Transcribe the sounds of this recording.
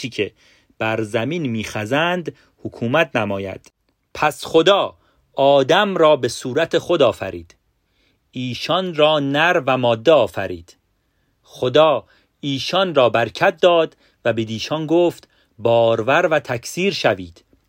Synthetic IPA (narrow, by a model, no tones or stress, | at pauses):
iːcʰe | b̥æɾzæmiːnmiːxæzænd̪ | hokʰuːmæt̪̚ʰnæmɒːjæ̰d̪̥ | pʰæsχod̪ɒː | ɒːd̪æmɾɒːbe̞suːɾæt̪ʰe̞χo̞d̪ɒːfæ̰ɾḭːd̪̥ | iːʃɒnrɒːnæɾvæmɒːd̪ːeɒːfæ̰ɾḭːd̪̥ | χod̪ɒː | iːʃɒnrɒːbæɾcʰæt̪̚d̪ɒːd̪ | væbed̪iːʃɒnɡoːft̪ | bɒːɾvæɾvæt̪ʰækʰsiːɾʃæviːd̪̥